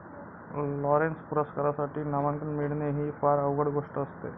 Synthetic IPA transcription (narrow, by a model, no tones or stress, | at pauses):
lɔːɾẽnspuɾəskaɾasaʈinaʋankənmiɽ̤neɦipʰaɾɐʊɡəɽɡoʂʈɐst̪ḛ